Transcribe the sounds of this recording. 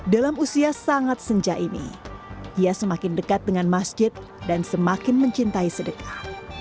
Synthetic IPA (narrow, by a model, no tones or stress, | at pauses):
dalamusiasaŋat̪̚səɲd͡ʒaʔinḭdiasəmakɪndəkat̪̚dəŋanmasd͡ʒɪt̪̚ | dansəmakɪnməɲt͡ʃint̪aisədəkḁ